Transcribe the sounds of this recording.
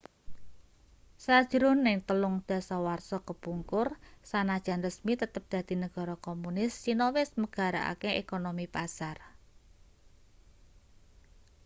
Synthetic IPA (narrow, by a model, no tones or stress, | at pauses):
sad̥ʒ̥ɾʊnːɪŋt̪əlʊŋd̪̥a̤sawarsɔkəpuŋkʊrsanad̥ʒ̥a̤nrəsmit̪ət̪əp̚d̪̥a̤d̪̥i̤nəɡ̥a̤ɾɔkomunɪst͡ʃinowɪsməɡ̥a̤ɾa̰ʔa̰keʔekonomipasar